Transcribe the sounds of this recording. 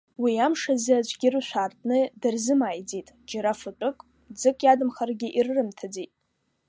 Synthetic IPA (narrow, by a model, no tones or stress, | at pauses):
wiamʂazad͡ʒʷʰʼɡʲɪrɨʃʷaːrtʼnɨdɨrzɨmaːjd͡zitʼd͡ʒaɾafɨtʷʼʊkʼ | d͡zɨkʼjadɨmχarɡʲɪʔirrɨmtʰad͡zitʼ